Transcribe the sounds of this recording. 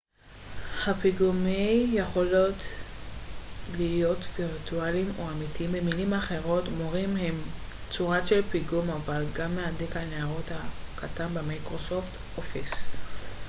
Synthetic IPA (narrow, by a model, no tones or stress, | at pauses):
hapiɡumejjeχo̞lo̞t | lijo̞tviʁtualimoamitiimbemilimaχe̞ʁo̞tmoʁimhe̞m | t͡suʁaʃelpiɡumavalɡamːehadikhaneaʁo̞thakatanbemakʁo̞so̞ft | ʔofis